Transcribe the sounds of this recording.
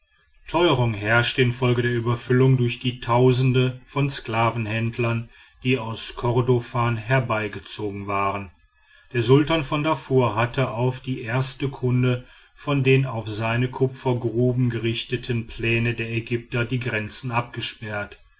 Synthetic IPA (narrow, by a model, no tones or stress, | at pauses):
tʰɔʏʁ̞ʊŋɦɛɐʃtəɪnfɔlɡədeːɐʔyːbɐfʏlʊŋdʊɐçd̥iːtʰaʊzn̩dəfɔnsklaːvn̩hɛndlɐn | d̥iːaʊskʰɔʁdofaːnɦɛɐbaɪɡət͡soːɡŋ̩vaːʁən | d̥eːɐzʊltaːnfɔndafoːɐɦatʰəʔaʊfd̥iːʔeːɐstəkʰʊndə | fɔndeːnaʊfz̥aɪnəkʰʊpfɐɡʁuːbm̩ɡəʁɪçtətʰənpʰl̥ɛːnədeːɐɛɡʏp̚tɐdiːɡʁɛnt͡sn̩ʔap̚ɡ̥əʃpɛɐt